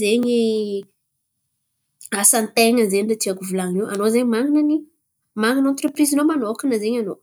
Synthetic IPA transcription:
zeɲi | asant̪eŋəzenɖ͡ʐat̪iakuvulaŋniwʔanozeɲimaŋinəni | maŋinãnt̪reprizinomanokinəzeɲano

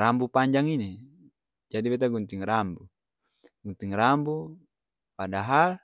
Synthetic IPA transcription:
ɾambupaɲd͡ʒaŋine | d͡ʒadibet̪̬aɡunt̪iŋrambu | ɡunt̪iŋrambu | padaɦal

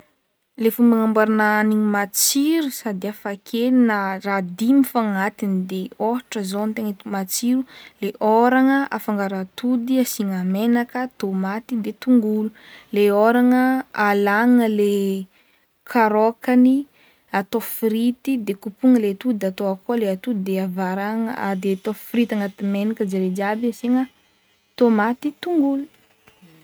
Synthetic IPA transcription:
lefumbaŋambaɾinaniɲimat͡siɾusad̪iafakʰelinərad̪imifaŋat̪inid̪eoɦʈ͡ʂəzont̪eŋət̪mat͡siɾuleʔoɾaŋəʔafaŋɡaɾat̪ud̪iasiŋamenakət̪omat̪id̪et̪uŋɡululeoɾaŋəalaŋəle | kʰaɾokani | at̪ofiɾit̪id̪ekupuŋəlet̪ud̪at̪oakualeat̪ud̪id̪eavaɾaŋa̰d̪et̪ofɾit̪aŋat̪imenakəd͡ʒeɾed͡ʒabiasiŋə | t̪omat̪it̪uŋɡulu̥

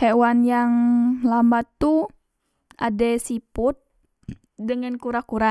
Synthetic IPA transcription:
hewanjaŋlambat̪u | a̰dɛsipʊt̪̚ | dəŋankuɾakuɾa

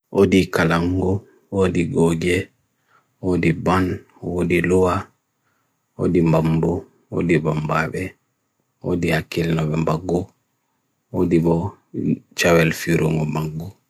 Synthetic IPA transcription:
ʔodikalaŋɡɔ | wodiɡɔɡɛ | wodiban | wodiluwa | o̰dimbambɔ | o̰dibɔmbaɓɛ | o̰dihakilnɔɓɛmbaɡːɔ | odibɔ | t͡ʃawɛlfiɾɔŋɔmaɡːɔ

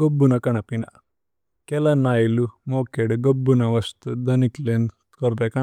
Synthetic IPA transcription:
ɡobːunɐkɐɳɐpinɐ̰ | kɛlɐnaːjilumoːkeɖɡobːunɐʋɐst̪ud̪ɐniklen | kɔɾd̪ekɐ

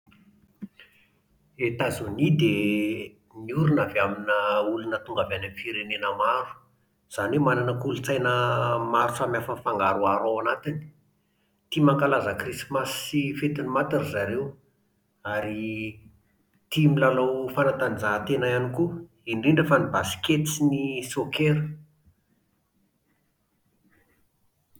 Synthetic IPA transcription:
et̪azunid̪e | niuɾunaveaminəulunət̪uŋɡavanamfiɾenenəmaɾu̥ | z̥anemananəkulut͡sajnəmaɾusamjafənfaŋɡaɾuaɾawanat̪ini̥ | t̪imaŋkalazəkrismasifet̪inimat̪iɾizaɾew | aɾi | t̪imilalowfanat̪anizaɦt̪enajaniku | inɖ͡ʐiɳɖ͡ʐefanibasi̥ket̪t͡sinisokeɾə

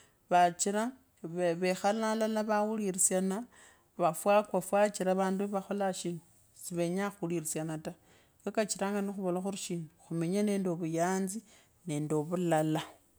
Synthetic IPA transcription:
βat͡ʃiɾa | βeβexalalalaβawuliɾisjana | βafwakwafwat͡ʃiɾaβaːnduβaxo̞laʃinu | siβe̞ɲaxuliɾisjanata | kekat͡ʃiɾaːŋɡanixuβolaxuɾiʃiːnuxumeɲane̞ːndo̞βujaːnzi | ne̞ːndoβulala

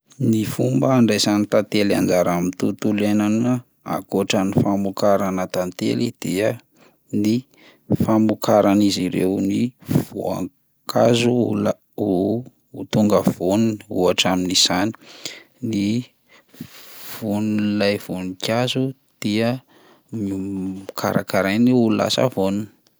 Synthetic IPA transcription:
nifumbəːɳɖ͡ʐajzanit̪at̪ela̰nd͡ʒaɾamint̪ut̪ulenan | a̰koʈ͡ʂənifamukaɾanat̪ant̪ḛlid̪̥iə | ni | famukaɾaniziɾḛwniv̥o̰a̰ŋ | kʰazula | uː | t̪uŋɡəv̥onuniṵaʈ͡ʂaminiz̥ani̥ | ni | v̥unlajv̥unikʰʲazu | d̪̥iə | kʰa̰ɾa̰kaɾajniulula̰sa̰vonuni̥

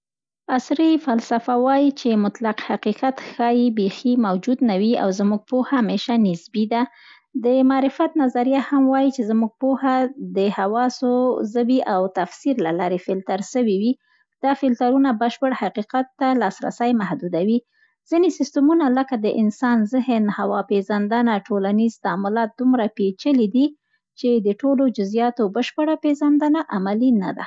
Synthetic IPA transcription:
asɾifalsafawɑjit͡ʃemʊt̪laqhaqiqat̪xɑjibeximawd͡ʒud̪nawia̰wzmuɡ̚pohameʃanɪsbid̪a | d̪əmɑːɾɪfat̪nazaɾjahamwɑjit͡ʃezmuɡ̚pohad̪əhawɑsozəbiʔawt̪afsiɾlalɑɾefɪlt̪aɾʃəwiwi | d̪̥ɑfɪlt̪aɾunabəʃpəɽhaqiqat̪ːalɑsɾa̰sajmahd̪ud̪awi | z̥inesɪst̪umunaləkad̪əʔɪnsɑnzɪhənhawɑpezand̪anaʈʰolanizt̪amʊlɑt̪̚d̪umɾapet͡ʃəlid̪i | t͡ʃed̪əʈolod͡ʒʊzjɑt̪obəʃpəɽapeʒand̪ənaʔamalina̰d̪a̰

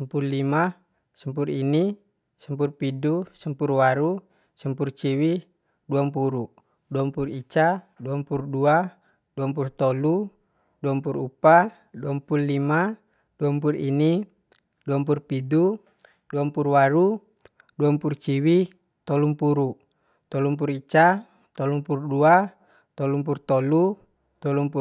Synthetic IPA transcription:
səmpuɾlima | səmpuɾini | səmpurpidusəmpurwaɾu | səmpurt͡ʃiwi | duampuɾu | duampurit͡ʃaduampuɾdua | d̥uampurt̪ɔlu | duampuɾupa | duampullima | d̥uampuɾini | duampurpidu | duampurwaɾu | duampurt͡ʃiwi | t̪ɔlumpuɾu | t̪ɔlumpuɾit͡ʃa | t̪ɔlumpuɾudua | t̪ɔlump̬urt̪ɔlu | t̪ɔlumpu

